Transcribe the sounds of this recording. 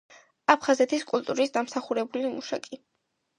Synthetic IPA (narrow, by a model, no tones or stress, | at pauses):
apʰχazɛt̪ʰiskʼulˠt̪ʼuɾisd̪amsaχuɾɛbulimuʃa̰kʼi